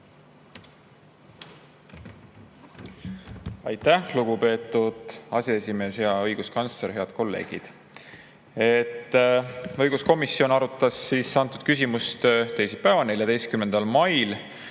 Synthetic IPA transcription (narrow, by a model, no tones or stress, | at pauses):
ɑjt̪ːˑæluɡupe̞ːt̪ːˑud̪̥ɑseesime̞ːsjɑɤ̞jɡ̥uskɑnsle̞ɾɦe̞ɑd̪̥̚ko̞lːe̞̰ːɡ̥ḭd̪̥ | et̪ː | ɤ̞jɡ̥usko̞misːio̞nɑɾut̪ːˑɑsːiːsːɑnt̪ˑud̪̥kys̬ʲimust̪t̪e̞jsipævɑne̞ljɑd̪e̞jst̪kymend̪̥ɑlmɑjl